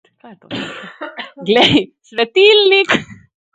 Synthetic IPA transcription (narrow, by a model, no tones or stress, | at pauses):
kajɛt̪o̰ | ɡlɛjsʋɛt̪ilnik